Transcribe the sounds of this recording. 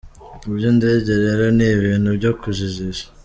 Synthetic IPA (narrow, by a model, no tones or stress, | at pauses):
ibjondeɟeɾeɾo̞niβiːn̥hubɟo̞kuʒiziʒḁ